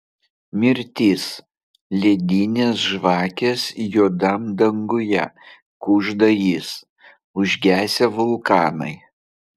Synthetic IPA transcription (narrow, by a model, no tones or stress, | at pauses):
mʲɪɾʲt̪ʲiːs | lʲed̪ʲiːnʲeːsʒʋɑːkʲeːsjuːd̪ɐmd̪ɐŋɡʊjɛ̰ | kʊʒd̪ɐjis | ʊʒʲɡʲæːsʲɛʋʊlˠkɑːnɐ̰ɪ